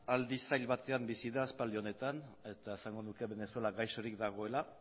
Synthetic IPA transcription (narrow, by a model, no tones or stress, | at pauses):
ald̪isajlβat̪e̞ambisiðaːspald̪io̞ne̞t̪ane̞t̪ae̞saŋɡo̞nuke̞βe̞ne̞solaɡajsoɾikd̪aɣ̞o̞e̞la